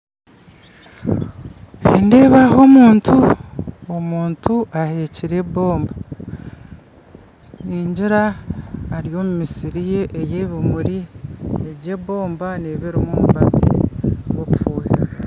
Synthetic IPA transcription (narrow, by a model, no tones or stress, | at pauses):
inde̞βaɦo̞muːntʰu | omuːntʰuahe̞ciɾe̞βo̞ːmba | niːɲɟiɾaː | ɾijo̞ːmumisiɾije̞ʔejeːβimuɾieɟe̞βo̞ːmbaneβeɾomumuβazḭwokufuːiɾaa